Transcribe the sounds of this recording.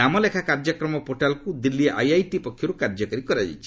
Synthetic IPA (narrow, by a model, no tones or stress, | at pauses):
amɔlekʰakaɾd͡ʒɔkɾɔmɔpoʈalkud̪ilːieʔajajʈipɔkʰːjɔɾukaɾd͡ʒɔkaɾikɔɾad͡ʒa̰jt͡ʃʰi̥